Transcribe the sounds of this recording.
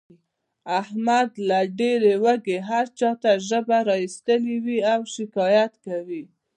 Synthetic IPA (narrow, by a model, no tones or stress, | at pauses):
ahmad̪laɖeɾewəɡeɦaɾt͡ʃɑt̪aʒəbaɾɑist̪əliwiawʃɪkɑjat̪kawi